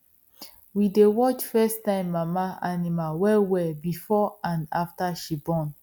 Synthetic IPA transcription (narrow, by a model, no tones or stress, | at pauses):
widewɔt͡ʃfɛstãɪ̃mːamaanimawɛlwɛbifɔãnaftaʃibɔ̃n